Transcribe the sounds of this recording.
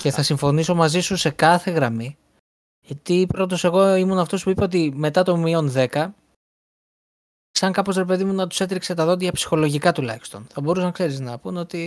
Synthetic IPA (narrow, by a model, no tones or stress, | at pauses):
ce̞θɐsiɱfo̞niso̞mɐzisuse̞kɐθe̞ɣɾɐmi | t̪ipɾo̞t̪o̞se̞ɣo̞imunɐft̪o̞spuipeo̞t̪̬ime̞t̪ɐt̪o̞mio̞nðe̞kɐ | sɐŋkɐpo̞zɾe̞p̬e̞ðimunɐt̪u̥se̞t̪ɾikse̞t̪ɐðo̞t̪̬jɐpsi̥xo̞lo̞ʝikɐt̪ulɐ̰çist̪o̞nθɐbo̞ɾusɐnkse̞ɾiznɐpuno̞t̪i